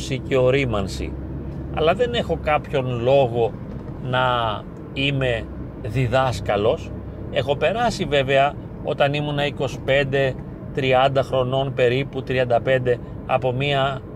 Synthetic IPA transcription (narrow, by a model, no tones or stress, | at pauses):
siceo̞ɾimɐnsḭ | ɐ̰lɐðe̞ne̞xo̞kɐpço̞nlo̞ɣo̞ | nɐ | ime̞ | ðiðɐskɐlo̞s | e̞xo̞pe̞ɾɐsive̞ve̞ɐ | o̞t̪ɐnimunɐiko̞si̥pe̞nd̪e̞ | t̪ɾiɐnd̪ɐxɾo̞no̞npe̞ɾiput̪ɾiɐnd̪ɐpe̞nd̪e̞ | ɐ̰po̞miɐ